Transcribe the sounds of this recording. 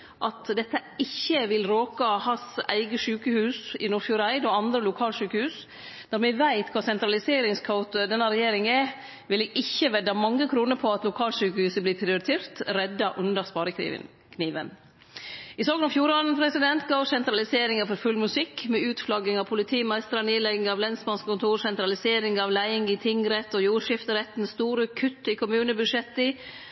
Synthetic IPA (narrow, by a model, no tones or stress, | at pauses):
ʔɑt̪d̪ɛt̪ːəɪçːəʋɪlɾoːkɑhɑsæ̰ɪɡəʂʉːkəhʉːsɪnʊɾfjʊɾæɪd̪ɔɑnd̪ɾəlʊkʰɑːlʂʉːkəhʉːs | d̪ɑɾmɛʋæɪt̪kʰʋɑːsɛnt̪ɾɑlɪseːɾɪŋskʰɑʊt̪d̪ɛnːɑɾɛjeːɾɪŋɛ | ʋɪleːɡɪçːəʋɛd̪ɑmɑŋːəkʰɾuːnəɾpʰɔɑt̪lʊkʰɑːlʂʉːkəhʉːsəblɪːpʰɾɪʊɾɪt̪ʰeːɾt̪ɾɛd̪ːɑʔʉnd̪əɾspɑːɾəkː | kʰniːʋə̰n | ɪsɑːɡənɔmfjuːɾɑnpʰɾɛsɪd̪ɛnt̪ɡoːsɛnt̪ɾɑlɪseːɾɪŋɑfɔɾfʉlmʉsɪkːmɛʉːt̪flɑɡɪŋɑʋpʰʊlɪt̪ʰiːmæɪst̪əɾɑneːlɛɡɪŋɑʋlɛnsmɑnskkʊnt̪ʰuːɾsɛnt̪ɾɑlɪseːɾɪŋɑʋlæɪɪŋɪt̪ʰɪŋɾɛt̪ːɔjuːɾʂɪft̪əɾɛt̪ːnst̪uːɾəkʰʉt̪ːɪkʰʊmʉːnəbʉdʂɛt̪ːɪ